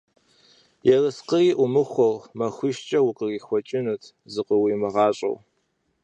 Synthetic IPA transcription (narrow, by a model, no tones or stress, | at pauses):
jɛrɨsqəriːʔʊmɨχʷɔʁmɐxʷʊʃt͡ʃʼɐwʊqʼəriːxʷɔt͡ʃʼɪnɨtʰ | zɨqəwiːmɐʁɑːɕʼɐ̰w